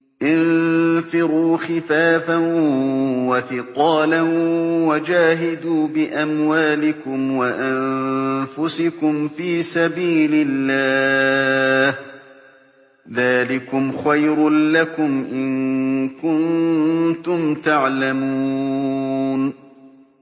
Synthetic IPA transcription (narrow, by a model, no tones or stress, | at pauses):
ʔɪnfɪɾuːxɪfaːfan | waθɪqɑːlanwad͡ʒaːɦɪd̪uːbɪʔamwaːlɪkʊmwaʔa | fʊsɪkʊmfiːsabiːlɪlːaː | h | ðaːlɪkʊmxajɾlakʊmʔɪnkʊnt̪ʊmt̪aʕlamuː | n